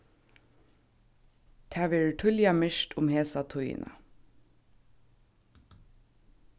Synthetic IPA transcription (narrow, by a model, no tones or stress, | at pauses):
t̪ʰæːʋɪɹʈʰʊljɑmɪʃʈʊmheːsɑt̪ʰʊjə̰nʔə̰